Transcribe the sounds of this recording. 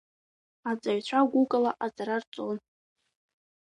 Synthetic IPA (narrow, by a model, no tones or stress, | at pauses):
ad͡zʼaɥt͡ɕʷʰaɡʷukʼalaʔad͡zaɾart͡sʼon